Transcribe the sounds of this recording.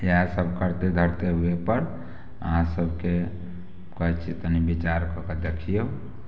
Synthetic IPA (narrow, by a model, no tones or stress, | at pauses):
ɦãsəbʱkəɾt̪ed̪ʱəɾt̪eɦuepəɾ | ə̰ɦãsəbʱke | kəɦɛt͡ʃʰit̪ənibit͡ʃaɾkɔked̪ekʰijeu